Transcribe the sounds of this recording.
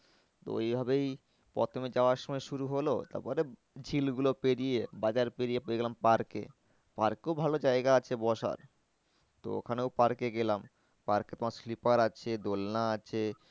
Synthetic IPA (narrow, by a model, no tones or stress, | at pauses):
t̪o̰ejbʱabej | pɔ̰t̪ʰomed͡ʑaoaɾʃɔmɔeʃuɾuɦolot̪a̰ɾpɔɾe | d͡ʑʱilɡulopeɽijebad͡ʑaɾpeɾijepɡelampaɾkḛ | paɾkeobʱalod͡ʑaeɡaat͡ɕʰebɔʃa̰ɾ | t̪o̰o̰kʰaneowpaɾkeɡelam | paɾkːet̪omaɾslipaɾat͡ɕʰed̪olnaat͡ɕʰe